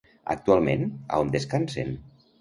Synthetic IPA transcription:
a̰k̚t̪ualˠmḛna̰ond̪eskansḛm

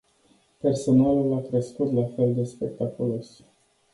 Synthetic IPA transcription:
pe̞rso̞nalulakɾeskut̪lafe̞ld̪e̞spe̞k̚t̪akulo̞s

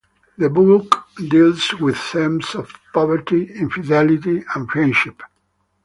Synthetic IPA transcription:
ðəbukdilzwɪð̥θɛ̃msɔv̥pɔvəɾtiĩnfidɛlitiə̃nfɹɛ̃nʃɪp

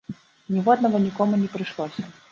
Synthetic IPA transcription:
nʲivɔd̪nɐvɔnʲikɔmunʲɛpɾɨʂlˠɔsʲɐ

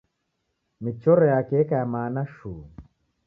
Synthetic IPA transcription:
mit͡ʃɔɾɔjakɛkajamaːnaʃuː

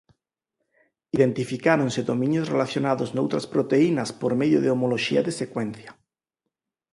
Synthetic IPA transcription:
iðent̪ifikaɾonseðomĩnjosrelaθjonaðoznowt̪ɾaspɾot̪einaspoɾmeðjoðeomoloʃiaðesekwẽn̟θja

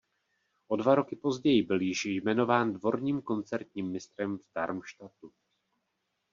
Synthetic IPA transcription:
ʔo̞dvaɾo̞kɪpo̞zɟɛjɪbɪljɪʃjmɛno̞vaːndvo̞ɾɲiːmko̞nt͡sɛɾt̪ɲiːmːɪst̪ɾɛmvd̥aɾmʃt̪at̪u

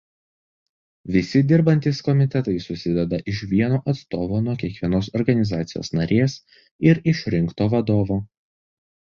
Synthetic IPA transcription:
ʋʲɪsʲɪd̪ʲɪɾbɐnʲt̪ʲɪːskɔmʲɪt̪ʲɛt̪ɐɪsʊsʲɪd̪ʲɛd̪ɐʔɪʃʋʲiɛnoːʔɐt̪st̪oːʋoːnuɔkʲiɛkʋʲiɛnoːsɔɾɡɐnʲɪzɑːt̪sʲɪjo̰ːsnɐɾʲeːs | ɪɾɪʃʲɾʲɪŋkt̪oːʋɐd̪oːʋoː

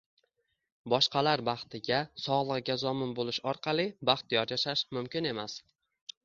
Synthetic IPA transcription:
bɒʃqʰɑlaɾbɑχt̪ʰɪɡʲasɒʁlˠɨʁɡʲazɒmɪnbolɪʃɒɾqʰɑlˠɪbɑχt̪jɒɾjaʃaʃmʊmkʲɪne̞mas

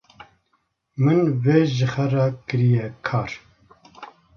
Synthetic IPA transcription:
mɨnveːʒɨxɛrɑkɨɾijɛkʰɑːɾ

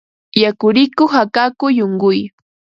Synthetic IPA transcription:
jakʊɾɪkʊχakakʊjoŋɢʊj

